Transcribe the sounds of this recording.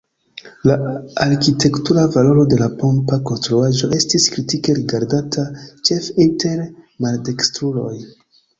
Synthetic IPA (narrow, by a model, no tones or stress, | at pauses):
laaɾkite̞ktuɾavalo̞ɾo̞de̞lapo̞mpako̞nstɾoaʒo̞ʔe̞stiskɾitike̞ɾiɡaɾdatʰat͡ʃe̞finte̞ɾmalde̞kstɾulo̞̰j